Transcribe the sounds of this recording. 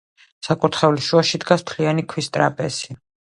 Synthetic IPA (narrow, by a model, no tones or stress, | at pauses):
sakʼut̪ʰχɛuliʃuaʃid̪ɡast̪ʰlianikʰwist̪ʼɾapʼɛsi